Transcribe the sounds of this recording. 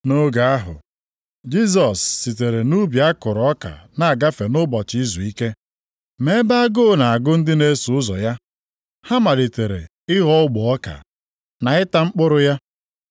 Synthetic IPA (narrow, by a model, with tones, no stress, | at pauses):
no˦ɡa˨a˦ɦʊ̰˨ | d͡ʒi˦s̬ɔ˨sːi˨t̬e˨ɾe˨nu˦bja˦kʊ˨ɾɔ˦ka̰˨na˨a˨ɡa˦fe˨nʊ˦bɔ˨t͡ʃɪ˦i˦zu˨i˦ke˦ | me˦ba˦a˦ɡo˦˨na˨a˨ɡʊ˦n̩˦dɪ˦ne˦su˨ʊ˦zɔ̰˨ja˦ | ha˦ma˨li˨te˨ɾḛ˨ | ɪ˦ɦɔ˦ʊ˦ɡ͡bʊ˨ɔ˦ka̰˨ | na˨ɪ˦ta˦ŋ͡m̩˦k͡pʊ˦ɾʊ˦ja˦